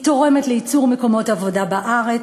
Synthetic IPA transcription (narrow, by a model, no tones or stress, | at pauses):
to̞ʁe̞metleit͡suʁmeko̞mo̞tavo̞dabaʔaʁe